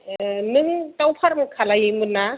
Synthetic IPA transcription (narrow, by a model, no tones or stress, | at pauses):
nɯŋt̪awpʰaɾmkʰalajimɯnːa